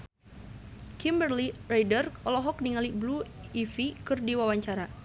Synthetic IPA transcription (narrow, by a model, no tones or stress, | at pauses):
kimbərlirajdərɔlɔɦɔk̚niŋalibluifikɨrdiwawaɲt͡ʃaɾa